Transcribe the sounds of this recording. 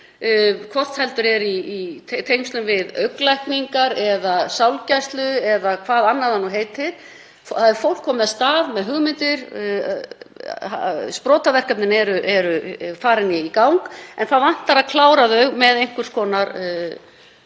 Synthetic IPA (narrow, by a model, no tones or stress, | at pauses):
kʰvɔr̥t̪hɛlt̪ʏɾɛɾit̪ʰejmst̪lʏmvɪðœɥklajhkniŋkaɾɛðasawlcajst̪lʏɛðakʰvaːðanːaðhanːuɦejt̪ɪɾ̥ | fθaɛɾfowl̥kʰːɔːmʏðast̪aːðmɛðɦʏɣmɪnt̪ɪɾ | aspɾɔːt̪avɛr̥kapnɪnɛɾʏʔɛɾʏfaːɾɪnjɪikawŋkɛnθavan̥t̪aɾaðkʰlaːwɾaðœɥɣmɛðejŋ̥kʏɾ̥skʰɔːnaɾ